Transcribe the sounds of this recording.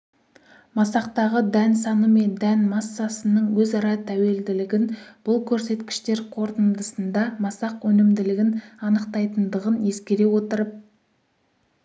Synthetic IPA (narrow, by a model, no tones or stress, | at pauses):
mɑsɑqt̪ɑʁəd̪ænsɑnəme̞nd̪ænmɑsːɑsənəɴwɵzɑɾɑt̪ʰæwe̞ld̪ɪlɪɡʲɪnb̥ʊlˠkʲʰɵɾse̞t̪kʲɪ̥ʃt̪e̞ɾqʰo̞ɾt̪ənd̪əsənd̪ɑmɑsɑqwɵnɪmd̪ɪlɪɡʲɪnɑnəqt̪ɑjt̪ənd̪əʁəne̞skʲe̞ɾe̞wo̞t̪əɾəp̚